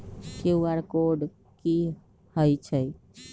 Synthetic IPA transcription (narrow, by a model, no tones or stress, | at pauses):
keuaɾkoɖ | ki | həjt͡ʃʰəj